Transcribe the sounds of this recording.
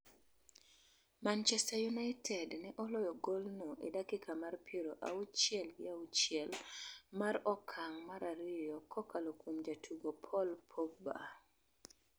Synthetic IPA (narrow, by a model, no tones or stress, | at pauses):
mant͡ʃɛstajunaɪtʰɛdnɛʔɔlɔjɔɡolnoʔedakɪkʰamarpʰeɾoʔaut͡ʃɪɛlɡɪaut͡ʃɪɛlmaɾɔkʰaŋmaɾʔaɾɪjɔkʰɔkʰalokwomd͡ʒatʰuɡopʰɔlpʰok̚ba̰